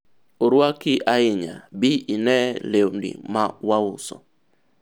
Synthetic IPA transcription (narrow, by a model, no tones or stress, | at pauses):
oɾwakɪʔaɪɲa̰bɪinɛlewndḭmawaʊsɔ̰